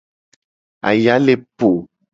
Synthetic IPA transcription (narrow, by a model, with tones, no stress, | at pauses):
a̰˨ja˨˦le˦po˨